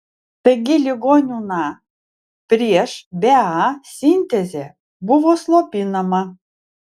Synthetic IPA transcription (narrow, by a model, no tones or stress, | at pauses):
t̪ə̆ɡʲelʲiɣonʲunɑ | pɾʲeʃbʲeɑsʲinʲt̪ʲezʲe | buvoslˠopʲinəmɑ